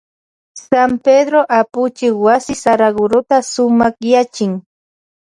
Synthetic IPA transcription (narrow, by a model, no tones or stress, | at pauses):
samped̪ɾoʔapʊt͡ʃɪkwasɪsaɾaɡʊɾʊt̪asʊmɑχjat͡ʃɪŋ